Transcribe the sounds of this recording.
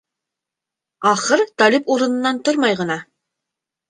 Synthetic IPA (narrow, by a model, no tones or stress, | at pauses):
ɑχɤɾt̪ɑlipuɾɤ̆nɤ̆nːɑnt̪oɾmɑjʁɤ̆nɑ